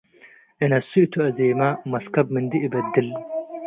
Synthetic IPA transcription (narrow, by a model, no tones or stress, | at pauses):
inɐsːut̪ʰuɐzeːmɐmɐskɐbmɨnd̪iʔibɐd̪ːil